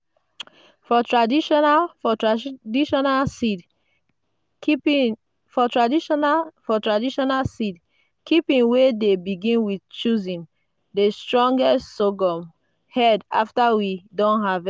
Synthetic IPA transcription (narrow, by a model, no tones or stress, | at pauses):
fɔtɹadiʃɔnafɔdiʃɔnalsid | fɔtɹadifɔtɹadiʃɔnalsid | kipĩnwedebiɡĩnwidt͡ʃuzĩn | destɹɔ̃ŋɡɛstsoɡɔ̃m | hɛda̰ftawidɔ̃nɦav